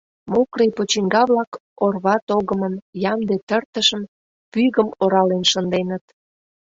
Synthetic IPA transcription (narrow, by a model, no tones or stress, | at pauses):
mokrejpot͡ɕiŋɡɑβlɑk | orβɑt̪oɣəmənjɑmd̪et̪ərt̪əʃəm | pyɣəmoɾɑlenʃənd̪enət̪